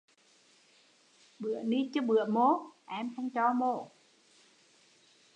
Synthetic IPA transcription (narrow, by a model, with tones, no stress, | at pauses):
ɓɨ˧˩˨əni˧˦t͡ɕɔ˧˦ɓɨ˧˩əmo˧˦ʔɛ˧mkə˧ŋt͡ɕɔ˧˦mo˧˨